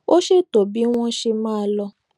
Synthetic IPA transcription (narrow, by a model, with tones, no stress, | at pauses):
o˦ʃe˦to˨bi˨˦w̃ɔ̃˦ʃe˧mãː˦˧lɔ˧